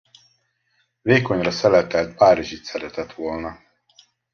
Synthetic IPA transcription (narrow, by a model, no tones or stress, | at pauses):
veːkonʲɾasɛlɛt̪ɛlt̪̚paːɾiʒit̪sɛɾɛt̪ɛt̪ʋolna